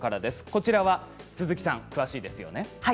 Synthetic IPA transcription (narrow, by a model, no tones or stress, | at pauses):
kaɾad̪e̞sɨ̥ko̞t͡ɕiɾaβasɨzɨkʲi̥sãŋkɯ̟βaɕiːd̪esɨjo̞̰ne̞ha